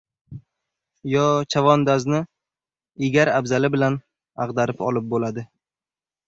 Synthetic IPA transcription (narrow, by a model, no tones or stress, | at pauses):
jɒt͡ʃʰavɒnd̪aznɪ | ɪɡʲaɾabzalɪbɪlan | aʁd̪aɾɪpɒ̰lˠɪp̚bolad̪ɪ